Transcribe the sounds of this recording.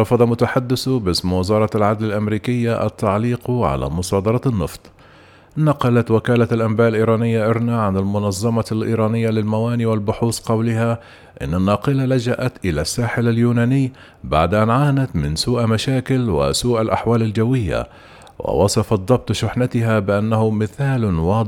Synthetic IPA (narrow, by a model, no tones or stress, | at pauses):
ɾˤɑfɑd̪ˤɑmʊt̪aħad̪ːɪsbɪsmwazɑːɾˤɑalʕad̪lalʔamɾiːkɪjːaʔa̰t̪ːaʕliːqʕa̰la̰ːmʊsˤɑːd̪ɑɾˤɑnːɨ̰ft̪ˤ | nɑqɑlat̪wɪkaːlaalʔambaːʔɪlʔiːɾˤɑːnɪjːaʔɪɾnaʕanɪlmʊnɑzˤːɑmɑlʔḭːɾˤɑːnɪjːalɪlmawaːniːwalbʊħuːsqɑwlɪha | ʔɪ̰nːanːɑːqɨlalad͡ʒaʔat̪ʔɪlasːaːħɪlaljuːnaːnɪjː | ba̰ʕd̪ʔanʕaːnat̪mɪnsuːʔmaʃaːkɪlwɪ̰suːʔalʔaħwaːlald͡ʒawːɪjːa̰ | wɪ̰wɑsˤɑfɑd̪ˤːɑb̚t̪ˤʃʊħnat̪ɪɦabɪʔanːahʊmɪθaːlwɑː